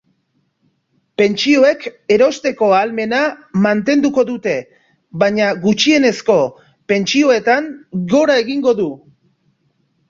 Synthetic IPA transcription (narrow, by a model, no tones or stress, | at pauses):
pe̞nt͡ʃio̞e̞ke̞ɾo̞st̪e̞ko̞alme̞namant̪e̞nd̪uko̞ðut̪e̞ | βaɲaɣut͡ʃie̞ne̞sko̞ | pe̞nt͡ʃio̞e̞t̪aŋɡo̞ɾae̞ɣiŋɡo̞ðu